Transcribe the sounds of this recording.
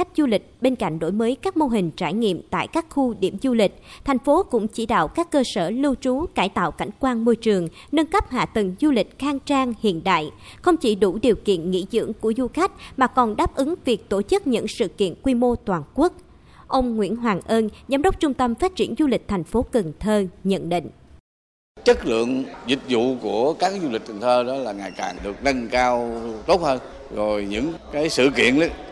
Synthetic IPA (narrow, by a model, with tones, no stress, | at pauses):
a˦˥jk̟̚zu˧lï˨˩k̟̚ɓe˧nka̰˧˨jŋ̟ɗo̰˧˥jməː˨˦jkaː˦˥k̚mo˧ɦï˨˩ŋ̟t͡ɕaː˧˩jŋḭ˧˨əmt̪a̰ː˧˨jkaː˦˥k̚xu˧ɗi˧˩əmzu˧lï˨˩k̟̚t̪ʰɛ˨˩ŋ̟fo˨˦kʊ̰˧˥ŋ͡mt͡ɕi˧˩ɗa̰ː˧˨wkaː˦˥kːəː˧səː˧˩lɨ˧wt͡ɕu˨˦kaː˧˩jt̪a̰ː˧˨wka˧˩ŋ̟kwaː˧nmo˧jt͡ɕɨ˨˩əŋ | nə˧nkə˦˥p̚ɦa̰ː˧˨t̪ə˨˩ŋzu˧lï˨˩k̟̚xaː˧ŋt͡ɕaː˧ŋhḭ˧˨ənɗa̰ː˧˨jxə˧wŋ͡mt͡ɕi˧˩ɗu˧˩ɗi˨˩əwkḭ˧˨ənŋḭ˧˥zɨ̰˧˥əŋku˧˩əzu˧xa˦˥jk̟̚maː˨˩kɔ˨˩nɗaː˦˥p̚ʔɨ˨˦ŋvi˨˩ək̚t̪o˧˩t͡ɕɨ˦˥k̚ɲɨ̰˧˥ŋsɨ̰˧˨kḭ˧˨ənkwi˧mo˧t̪waː˨˩nku˦˥ək̚ | ʔə˧wŋ͡mŋwḭ˧˥ənɦwaː˨˩ŋʔəː˧nzaː˨˦mɗə˦˥wk͡p̚t͡ɕʊ˧ŋ͡mt̪ə˧mfaː˦˥t̚t͡ɕi˧˩ənzu˧lï˨˩k̟̚t̪ʰɛ˨˩jŋ̟fo˨˦kə˨˩ŋt̪ʰəː˧ɲə̰˧˨nɗḭ̈˧˨ŋ̟ | t͡ɕə˦˥k̚lɨ̰˧˨əŋzï˨˩k̟̚zṵ˧˨ku˧˩əkaː˦˥k̚zu˧li˨˩k̟̚t̪ʰŋt̪ʰəː˧ɗɔ˨˦laː˨˩ŋaː˨˩jka̰ː˨˩nɗɨ˨˩ək̚nə˧ŋkaː˧wt̪o˦˥t̚həː˧n | zo˨˩jɲɨ̰˧˥ŋkaː˨˦jsɨ̰˧˨kḭ˧˨ənɗə˨˦